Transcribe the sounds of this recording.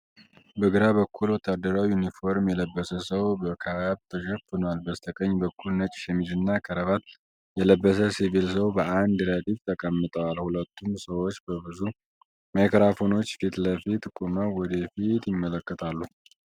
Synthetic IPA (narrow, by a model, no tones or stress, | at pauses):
bəɡɨɾaβəkʰːulwɔt̪ʰːad̪ːəɾawjunifo̞ɾmjɛləbːəsəsəwbəkʰaβaβt̪ʰəʃəfɨnalbəst̪ʰəkʼəɲːbəkʰːulnət͡ʃʼʃɛmid͡ʒɨnːakʰəɾəβat̪ | jɛləbːəs̬əsivilsəwbəʔand̪ɾad̪ift̪ʰəkʼəmːɨt̪ʼəwalhulət̪ʰːumsəwo̞t͡ʃːbəbɨzu | mekɾafo̞no̞t͡ʃːfit̪ləfit̪kʼuməwɔd̪əfit̪jɪmːələkːət̪ʰalːu